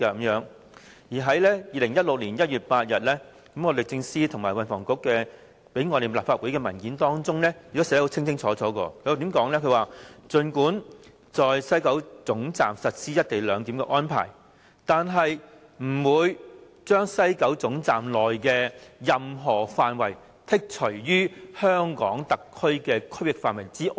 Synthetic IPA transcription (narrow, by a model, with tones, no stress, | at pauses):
aː˧ɐ˨˦mjœː˨˥ŋ | jiː˨˩ɦɐ˨˥jlɛː˥jiː˨˧lɪ˨˩ŋjɐ˥t̚lʊ˨k̚liː˨˩njɐ˥t̚jyː˨˩t̚paː˧t̚jɐ˨t̚lɛ˥ | kɐ˨˦mŋɔː˨˧lɪ˨˩t͡sɪ˧ŋsiː˥t̪ʰʊ˨˩ŋmaː˨˩wɐ˨nfɔː˨˩ŋkʊ˧˥kːɛː˧ | pe˨˥jŋɔ˨˧ɾe˨jlaː˨pfaː˧t̚wu˨˥jkɛː˧mɐ˨˩nkiː˨˥nt̪ɔː˥ŋt͡sʊ˥ŋlɛ˥jy˨˩kːɔː˦˥sɛ˨˥ho˨˥wt͡sʰɪ˥ŋt͡sʰɪ˥ŋt͡sʰɔː˨˥t͡sɔː˨˥kɔ̰ː˧kʰɵ˨˧waː˨˩t̪i˨˥mkɔː˨˥ŋlɛ˥kʰɵ˨˧ɥwaː˨t͡sɵ˧nkuː˨˥n | t͡sɔː˨jsɐ˥jkɐ˨˥wt͡sʊ˨˥ŋt͡sa̰ː˨msɐ˨t̚siː˥jɐ˥t̚t̪e˨jlœː˨˧ŋt̪i˨˥mkɛ̰˧ʔɔː˥npʰa̰ː˨˩j | t̪aː˨nɦɐ˨j | m̩˨˩wuː˨˧j | t͡ʃœː˥ŋsɐ˥jkɐ˨˥wt͡sʊ˨˥ŋt͡saː˨mlɔː˨˩jkɛː˧jɐ˨mɦɔː˨˩faː˨nwɐ˨˩j | t̪ʰɪ˥k̚t͡ʃʰɵ˨˩ɥjyː˥hœː˥ŋkɔ̰ː˨˥ŋt̪ɐ˨kʰːɵ˥ɥkɛː˧kʰɵ˥ɥwɪ˨k̚faː˨nwɐ˨˩jt͡siː˥ʔ